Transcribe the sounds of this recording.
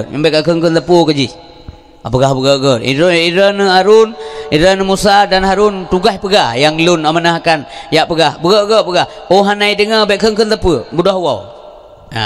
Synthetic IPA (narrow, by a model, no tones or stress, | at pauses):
əbɛʔkaʔkəŋkənləpukəd͡ʒih | apəɡahbəɡəʔɡəʔiiɾənəaɾuniɾənəmusadanhaɾunt̪uɡahpəɡahjaŋlunamənaɦakanjaʔpəɡahbəɡəʔɡəʔpəɡahoɦanaidəŋəbɛʔkəŋkənləpəbudaɦwaw | a̰